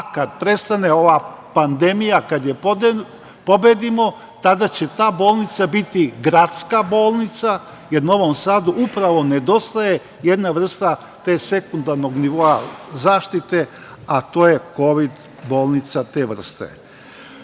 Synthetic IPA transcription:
kad̪̚pɾe̞st̪ane̞o̞ʋapand̪e̞mijakad̪jep | po̞bed̪imo̞ | t̪ad̪at͡ɕe̞t̪aːbo̞ːlˠnit̪sabit̪iɡɾat̪skabo̞ːlˠnit̪sa | jeɾno̞ʋo̞msaːd̪uʔupɾaʋo̞ne̞d̪o̞st̪aje̞ | je̞d̪naʋr̩st̪a | t̪e̞ːse̞kund̪aɾno̞ɡniʋo̞azaːʃt̪it̪e̞ | at̪o̞ːje̞ko̞ʋid̪ | bo̞ːlˠnit̪sat̪eːʋr̩st̪ḛ

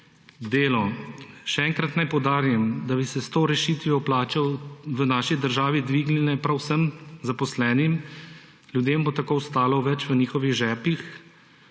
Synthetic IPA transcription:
d̪eːlɔʃɛɛŋkɾat̪najpɔwd̪aːɾimd̪abisɛst̪oːɾɛʃiːt̪ʋiɔplaːt͡ʃawʋənaːʃid̪əɾʒaːʋid̪ʋiːɡnɛnɛpɾawsəmzapɔslɛːnim | lʲjud̪eːmbot̪akowst̪aːlɔʋɛt͡ʃʋəniːxɔʋiɣʒɛːpix

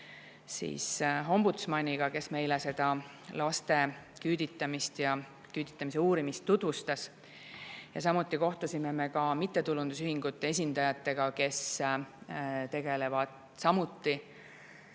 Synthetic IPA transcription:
sḭːsɦo̞mbut̪smɑnʲiɡ̥ɑke̞sme̞jlese̞d̪̥ɑ | lɑst̪e̞kyːd̪̥it̪ːˑɑmist̪jɑ | kyːd̪̥it̪ˑːɑmis̬e̞uːɾimist̪ːud̪vust̪ɑs | jɑ̰s̬ɑmut̪ˑːiko̞ht̪usʲime̞me̞kɑmit̪ːˑe̞t̪ulund̪usyhiŋɡ̥ut̪ˑːe̞e̞sʲind̪ɑjɑt̪ːˑe̞ɡ̥ɑke̞s | t̪e̞ɡ̥e̞le̞vɑd̪̥ | sɑmut̪ˑːi

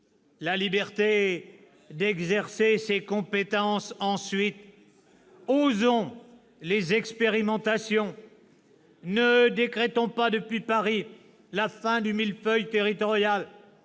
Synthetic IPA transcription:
lalibɛʁt̪e | d̪ɛɡzɛʁsesekɔ̃pet̪ɑ̃sɑ̃sɥit̪ | ozɔ̃ | lezɛkspeʁimɑ̃t̪asjɔ̃ | nəd̪ekχɛt̪ɔ̃pad̪əpɥipaʁi | lafɛ̃d̪ymilfœjt̪eʁit̪ɔʁjal

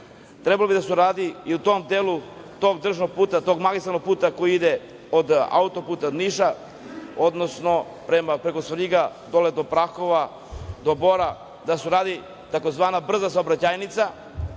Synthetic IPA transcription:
t̪ɾebalobid̪asuɾaːd̪iiut̪o̞md̪eːlu | t̪oɡd̪r̩ʒnoɡ̚puːt̪at̪oɡmaɡist̪ɾanoɡ̚puːt̪akojiid̪e | od̪a̰ut̪opuːt̪ad̪niʃa | od̪nosno̞ | pɾemapɾe̞kosʋɾiɡad̪oled̪opɾaxoʋa | d̪o̞boɾa | d̪asuɾaːd̪i | t̪ako̞zʋaːnabr̩zas̬aobɾat͡ɕajnit̪sa

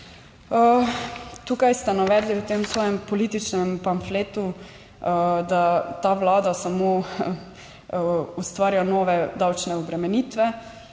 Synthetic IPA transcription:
ə | t̪uːkajst̪ɛnaʋɛːd̪liwt̪emsʋɔːjɛmpɔliːt̪it͡ʃnɛmpanfleːt̪u | d̪at̪aʋlaːd̪asamo | ust̪ʋaːɾijanoːʋɛd̪awt͡ʃnɛɔbɾɛmɛniːt̪ʋɛ

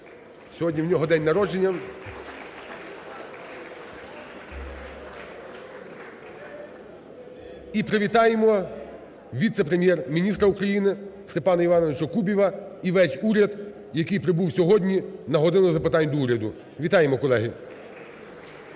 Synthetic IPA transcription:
sʲɔɦɔdʲnʲiwnʲɔɦɔd̪ɛnʲnɐɾɔd͡ʒenʲːɐm | ipɾeʋʲit̪ɑjemɔ | ʋʲit̪sɛpɾemʲjɛrmʲinʲist̪ɾɐukɾɐjinɪst̪epɑnɐiʋɑnɔʋɪt͡ʃɔkubʲiʋɐiʋɛsʲuɾʲɐd̪ | jɐkɪjpɾɪbuwsʲɔɦɔdʲnʲinɐɦɔd̪ɪnʊzɐpɪt̪ɑnʲd̪ɔuɾʲɐd̪ʊ | ʋʲit̪ɑjemɔkɔlˠɛɦɪ

